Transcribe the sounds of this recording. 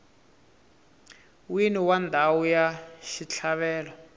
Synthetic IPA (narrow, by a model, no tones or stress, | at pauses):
winiwandʱawujaʃit͡ɬʰaɓɛːlɔ